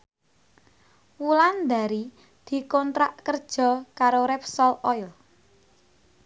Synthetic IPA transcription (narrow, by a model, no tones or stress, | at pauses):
wuland̪a̤ɾi | d̪̥i̤kɔnt̪ɾaʔkərd̥ʒ̥ɔ̤kaɾoɾɛpsɔlɔjl